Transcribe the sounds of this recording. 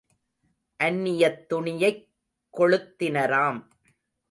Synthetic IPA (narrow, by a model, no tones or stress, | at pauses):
ʔɐnːɪjɐt̪ːʊɳɪjɐɪkː | ɔɻɯt̪ːɪnɐɾaːm